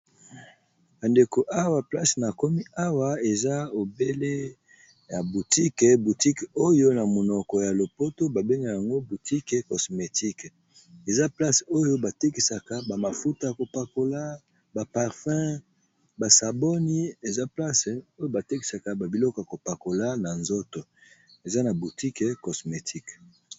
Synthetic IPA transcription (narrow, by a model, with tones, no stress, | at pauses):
ba˨nde˨ko˨ʔa˦wa˨pla˦sna˨kɔ˦mi˦a˦wa˦e˨za˦o˨be˦le˦ | ja˨bu˨ti˦kbu˨ti˦ko˦jo˦na˨mo˨nɔ˨kɔ˨ja˨lo˨po˦to˦ba˨be˦ŋɡa˨ja˨ŋɡo˦bu˨ti˦ke˨kɔ˨sme˨ti˦k | e˨za˦pla˦so˦jo˦ba˨te˦ki˨sa˨ka˨ba˨ma˨fu˦ta˦a˨ko˨pa˨ko˦la˦ | ba˨pa˨ʁfɛ̃˦ | ba˨sa˨bɔ˦ni˦e˨za˦pla˦so˦jo˦ba˨te˦ki̥˨sa˨ka˨ba˨bi˨lɔ˦kɔ˨ja˨ko˨pa˨ko˨la˦na˨nzo˦to˨e˨za˦na˨bu˨ti˦ke˨kɔ˨sme˨tʰi˦k